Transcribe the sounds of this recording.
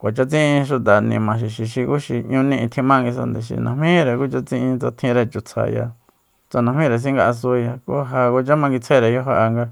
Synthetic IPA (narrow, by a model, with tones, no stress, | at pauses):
kʷa˨t͡ʃa˧t͡sĩ˦ʔĩ˧ʃ̬u˧t̪a˨nḭ̃˧mã˨ʃ̬i˨ʃi˨ʃi˧ku˦ʃi˧ɲũ˧nĩ˦˧ĩ˧t̪ʰĩ˧mã˦ŋɡi˧s̬a̰˧nd̪e˨ʃḭ˨nʔã̰˨mĩ˦ɾe˨ku˦t͡ʃa˧t͡sĩ˦˧ʔĩ˧t͡sa˧t̪ʰĩ˧ɾe˧t͡ʃu˨t͡sʰa̰˧ja̰˧ | t͡sa˧nã˧hmĩ˦ɾe˨s̬ĩ˦ŋɡa˧ʔa˧s̬u˧ja˧ko˦ɦa˧ku˧t͡ʃa˦mã˧ŋɡi˧t͡sʰe˦ɾe˨jo˦ɦa˧ʔa˧ŋɡa˧